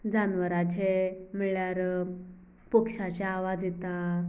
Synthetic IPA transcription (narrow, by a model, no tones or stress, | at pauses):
d͡zanʋəɾat͡ɕemiɭjaɾ | pəkʂat͡ɕjaːʋad͡zit̪a